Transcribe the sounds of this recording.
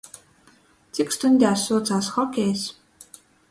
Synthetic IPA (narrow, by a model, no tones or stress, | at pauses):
t͡sʰikst̪ʰʊnʲt̪ʲasʊːt͡sasχɔkeːs